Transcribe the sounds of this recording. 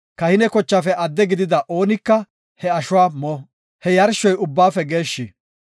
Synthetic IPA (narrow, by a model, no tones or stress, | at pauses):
kɐhɪnɛkɔt͡ʃːaːfɛʔɐd̪ːɛɡɪd̪ɪd̪ɐʔo̞ːnɪkːɐ | hɛɐʃʊwaːmɔ | hɛjɐɾʃɔjʊbːaːfɛɡe̞ːʃːɪ